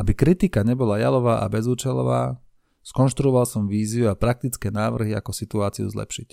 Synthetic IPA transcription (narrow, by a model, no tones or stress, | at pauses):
ʔabikɾit̪ikaɲɛbɔlaja̰lɔʋaːʔa̰bɛzuːt͡ʃɛlɔ̰ʋa̰ː | skɔnʃt̪ɾuɔʋalsɔmʋiːziuapɾak̚t̪it͡skɛːnaːʋr̩ɦia̰kɔsit̪uaːt͡siṵzlɛ̰pʃic